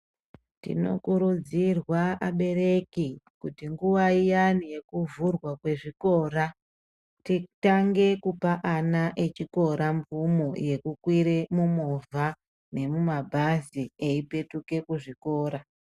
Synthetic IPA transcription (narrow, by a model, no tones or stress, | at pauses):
tḭno̞̰kuɾud͡zirwaaɓe̞ɾe̞ki | kutiŋɡuʋaijanije̞kuvurwakwe̞ʐiko̞ːɾa | titaŋɡe̞kupaʔanaʔe̞t͡ʃiko̞ɾaɱvumoje̞kukwiɾe̞mumovʱa | ne̞mumabʱazieipe̞tuke̞kuʐiko̞ːɾa